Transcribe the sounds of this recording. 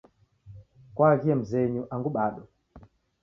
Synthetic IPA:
kwaɣiɛm̩zɛɲuʔaŋɡuɓaɗɔ

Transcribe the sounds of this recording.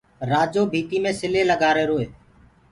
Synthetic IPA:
ɾaːd͡ʒoːbʱiːt̪iːmẽːsɪleːləɡaːɾeːɾoːeː

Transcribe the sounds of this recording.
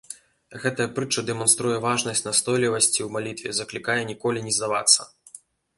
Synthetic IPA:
ɣɛt̪ɐjɐpɾɨt͡ʂɐd̪ɛmɔnst̪ɾujɛvaʐnɐsʲt͡sʲnast̪ɔjlʲivɐsʲt͡sʲiwmalʲit̪vʲɛzɐklʲikajɛnʲikɔlʲinʲizd̪ava̰t̪sːɐ̥̰

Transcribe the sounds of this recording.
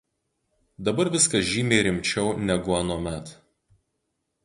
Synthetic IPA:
d̪ɐbɐɾʋʲɪskɐʒʲiːmʲeːɾʲɪmʲt͡ʃʲɛʊnʲɛɡʊɐnoːmʲæt̪

